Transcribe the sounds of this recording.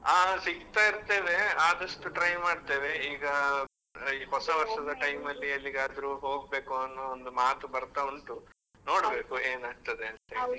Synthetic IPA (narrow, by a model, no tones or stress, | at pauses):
aːsiɡt̪aːiɾt̪e̞ːʋe̞aːd̪ɐʂʈuʈɾɐjmaːɖt̪e̞ːʋeiːɡɐ | iːɦɔsɐʋɐɾʂɐd̪ɐʈɐjmɐlːiɐlːiɡaːd̪ɐɾuːɦo̞ːɡbe̞ːkuɐnːɐond̪umaːt̪ubɐɾt̪auɳʈu | no̞ːɽbe̞ːkueːnaːɡ̚t̪ɐd̪e̞ɐnt̪eːɽi